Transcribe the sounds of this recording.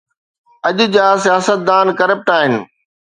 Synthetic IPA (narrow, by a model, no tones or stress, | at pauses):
ɐʄʊ̆d͡ʑaːsijaːsət̪̚d̪aːnkɐɾəp̚ʈaːɦɪnɪ̆